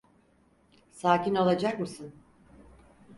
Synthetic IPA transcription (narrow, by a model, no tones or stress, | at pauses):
saːcino̞lˠad͡ʒakmɯsɯn